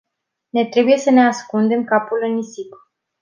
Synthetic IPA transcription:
ne̞t̪ɾe̞buje̞səne̞askund̪e̞mkapulɨnisip

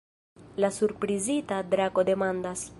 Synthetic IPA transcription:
lasuɾpɾizitadɾaɡo̞de̞mandas

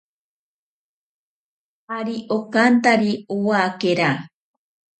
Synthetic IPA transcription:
aɾiʔokant̪aɾiowakeɾa

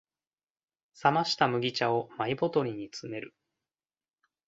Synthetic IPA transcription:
samaɕi̥t̪amɯ̟ɡʲit͡ɕao̞maibo̞t̪o̞ɾʲiɲ̟it͡sɨme̞ɾɯ̟

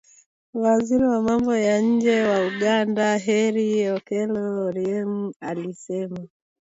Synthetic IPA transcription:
waziɾiwamambɔjaɲ̩d͡ʒɛwauɡandaɦɛɾiɔkɛlɔɾiɛmualisɛma

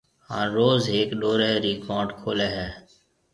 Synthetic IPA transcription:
hã̰ːɾoːzɦeːkɗoːɾeːɾiːkɔːɾɖkʰoːleːɦɛː

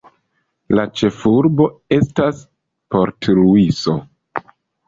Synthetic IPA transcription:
lat͡ʃe̞fuɾbo̞e̞stas | po̞ɾtɾuiso̞

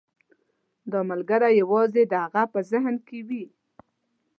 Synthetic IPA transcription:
d̪əmalɡaɾajawɑzed̪əhaɣapəzɪɦnkewi

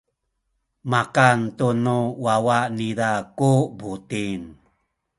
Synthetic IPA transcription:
makant̪unuwawaʔniɾakubut̪in

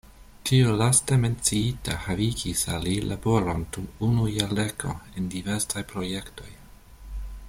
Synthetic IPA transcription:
tʰiolaste̞me̞nt͡siitahaviɡisalilʔabo̞ɾo̞ndumunujale̞kʰo̰endive̞ɾsajpɾoje̞kto̞̰j

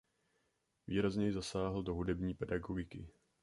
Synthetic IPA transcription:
viːɾazɲɛjɪzasaːɦl̩do̞ɦudɛbɲiːpɛdaɡoɡɪkɪ̰

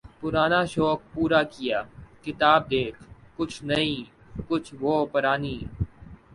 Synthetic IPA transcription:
pʊɾaːnaʃɔːk̚puːɾakɪjaːkɪt̪aːb̚d̪eːkʰkʊt͡ʃʰnɐɦĩː | kʊt͡ʃʰʋoːpɐɾaːniː

